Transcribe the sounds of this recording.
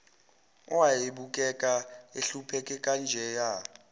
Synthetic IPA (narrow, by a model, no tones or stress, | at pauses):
ɔwajeɓukʼɛkʼaeɬupʰɛkʼɛkʼand͡ʒʱɛja